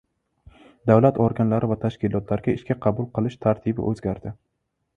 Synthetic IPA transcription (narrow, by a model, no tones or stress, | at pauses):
d̪avlat̪ɒɾɡʲanlaɾɪvat̪ʰaʃkʲɪlɒt̪laɾɡʲaɪʃkʲaqʰɑbʊlˠqɨlˠɪʃt̪ʰaɾt̪ʰibɪ̰ʔɵzɡʲaɾd̪ɪ